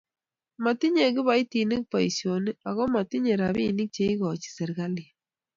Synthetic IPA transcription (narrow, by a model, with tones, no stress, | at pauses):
ma˨ti˦ɲe˨kɪ˦βa˦i˦ti˨ni˦k̚pa˨i˨sjo˨ni˦a˨ɣɔ˦ma˨ti˦ɲe˨ɾa˨βi˦˨ni˦k̚t͡ʃe˦i˦ɣɔ˨t͡ʃi̥˨sɛ˨ɾɡa˦li˨